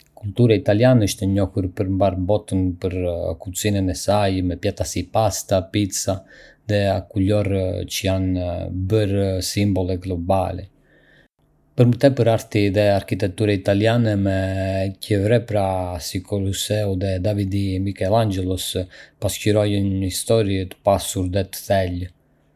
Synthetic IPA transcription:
kult̪uɾait̪aljanɛəʃt̪ɛɲɔhuɾpəɾmbaɾbɔt̪ənpəɾkusinɛnɛsajmɛpjat̪asipast̪apit̪saðɛakulɔɾt͡ʃəjanbəɾsimbɔlˠɛɡlɔba̰lɛ̰ | pəɾmət̪ɛpəɾaɾt̪iðɛaɾkit̪ɛk̚t̪uɾait̪alianɛmɛcəvɾɛpɾasikɔlusɛuðɛd̪avid̪imikɛland͡ʒɛlˠɔspasciɾɔjənəist̪ɔɾiɛt̪ə̥pasuɾd̪ɛt̪ə̥θɛl

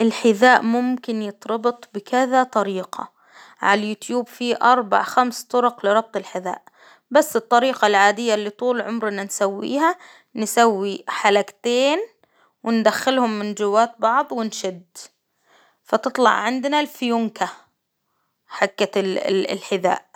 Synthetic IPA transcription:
ʔɪlħɪðaːʔmʊmkɪnjɨt̪ˤɾɑbɨt̪ˤbɪkɪðat̪ˤɑɾiːqʰɑ̰ | ʕa̰ljuːt̪juːbfiʔɑɾˤba̰ʕxamst̪ˤʊɾʊqlɪɾˤɑb̚t̪ˤɪlħɪða̰ːʔ | basːɨt̪ˤːɑɾiːqɑlʕaːd̪ɪjːalːit̪ˤuːlʕʊmɾʔɪnːansawːḭːha | nsawːiħalakt̪eːn | wɪnd̪axːɪlhʊmːɪnd͡ʒɪwːaːt̪̚bɑʕðˤwɪnʃɪd̪ | fat̪ɨt̪ˤlɑ̰ʕʕɪnd̪nalfjʊŋka | ħakːa̰lħɪða̰ːʔ

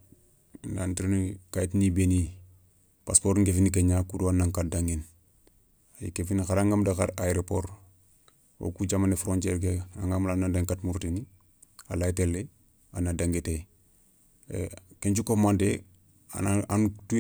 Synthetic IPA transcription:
ndantiɾenkajitnibeni | paspoːɾŋɡefinik̬eɲakuduanːaŋkat̚daŋɡin | ajḭkefinxaɾaŋɡamdaxaɾaeɾopoɾ | wo̰kud͡ʒamanefɾonteɾk̬ea̰ŋɡamlanːandeŋkatmuɾtini | alajtelːe | a̰nadaŋɡite | keɲt͡ʃukofmande | a̰naantu

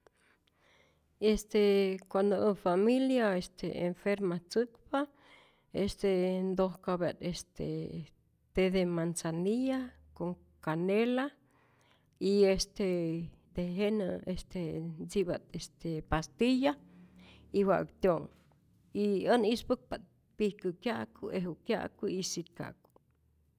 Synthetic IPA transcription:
est̪ekʷand̪oəfamiljaest̪ʰḛeɱfeɾmat͡sɨkpa | est̪end̪ohkabaʔt̪est̪ʰḛ | t̪eðemansanija | koŋ | kanela | iest̪ed̪̥eɦenəest̪enzibat̪est̪epast̪ija | iwa̰ʔkt̪joŋ | iənispɨk̚pat̪̚ | pihkəkjaʔkuʔeɦukja̰ʔkuisit̪ka̰ku̥

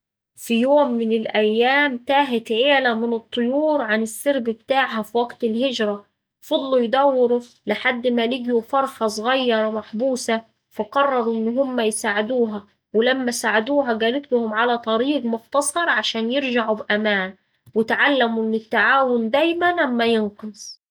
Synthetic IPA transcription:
fijoːmːɪnɪlʔæjːæːmt̪æːɦɪt̪ʕeːlæmɪnɨt̪ˤːʊjuːɾʕanɪsːɪɾbbt̪aːʕɦæfiwæɡt̪ɪlɦɪd͡ʒɾˤɑ | fɑd̪ˤlujd̪æwːɪɾu | lɪħad̪ːmælɪɡjufɑɾˤxɑsˤɣɑjːɑɾˤmaħbuːsæ | fæqɑrˤːɑɾˤuʔɪnːɦʊmːæjsaːʕɪd̪uːɦæ | wɪlæmːæsaːʕad̪uːɦæɡæːlɪt̪lʊhʊmʕalæt̪ˤɑɾiːɡmʊxt̪ɑsˤɑɾˤʕaʃæːnjɪɾʒaʕubʔæmæːn | wɪt̪ʕalːæmuʔnːɪt̪ːaʕaːwʊnd̪æjmænʔamːæjɪnqɨsˤ

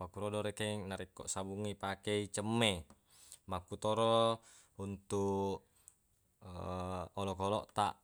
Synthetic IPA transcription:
akuɾodoɾekenaɾikːɔ̰ʔsabuŋːipakeit͡ʃəmːe | makːut̪oɾo | unt̪u | olokolɔʔt̪aʔ

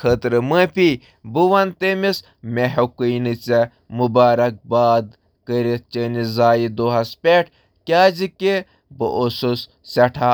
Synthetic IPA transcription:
kʰət̪ɾɨməpʲi | buʋɐnt̪emis | mʲeɦokəjnɨt͡se | mubaːɾɐk̚baːd̪ | kəɾit̪̚t͡ʃənizaːjid̪oːɦɐspʲeʈʰ | kʲaːzike | bəʔosus | sɐʈʰa

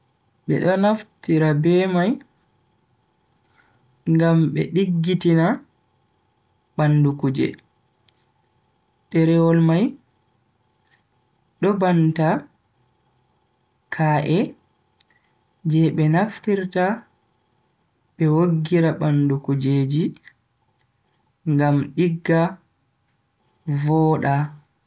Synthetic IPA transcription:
ɓɛ̰ɗɔnaftiɾabɛːmaj | ŋɡamɓɛ̰ɗiɡːitina | ɓandukud͡ʒɛ̰ | ɗɛɾɛwɔlmaj | ɗɔbanta | kʰaːʔɛ | d͡ʒɛɓɛnaftiɾta | ɓɛwoɡːiɾaɓandukud͡ʒeːd͡ʒi | ŋɡamɗiɡːa | vɔːɗa

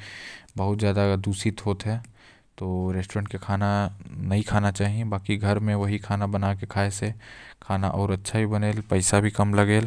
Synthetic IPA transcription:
bɐɦʊt̪zjaːd̪ad̪uːsit̪ɦoːt̪ɦɛ̃ː | t̪oːɾeːsʈoɾə̃ːɳʈkekʰaːnanɐɦikʰaːnat͡ʃaːɦiẽbaːkiɡʱɐɾmẽʋɐɦikʰaːnabɐnaːkekʰaːesekʰaːnaʔɔːɾɐtːʃʰabʱibɐneːlpɐɪsabʱikɐmlɐɡeːl

